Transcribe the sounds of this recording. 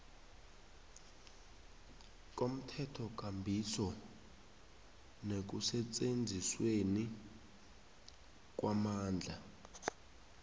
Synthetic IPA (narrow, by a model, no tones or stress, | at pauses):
k̬ʼom̩tʰɛtʰɔk̬ʼambʱisɔ | nek̬usɛt͡sʼend͡zʱisweni | k̬ʼwamaːnd͡ɮʱa